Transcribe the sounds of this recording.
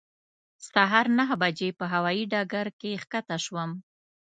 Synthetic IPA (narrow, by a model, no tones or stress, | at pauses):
saɦɑɾnaɦbad͡ʒepəɦawɑjiɖɑɡaɾkexkat̪aʃwəm